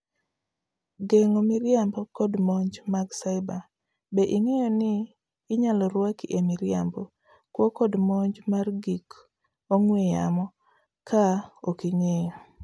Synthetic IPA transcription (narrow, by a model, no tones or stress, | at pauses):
ɡeŋomɪɾjambɔkɔdmɔɲd͡ʒmaɡsaɪba | beʔiŋejɔnɪː | ɲalɔɾwakiʔemɪɾja̰mbɔ | kwɔkɔdmɔɲd͡ʒmarɡik | oŋweja̰mɔ | kʰaokiŋejo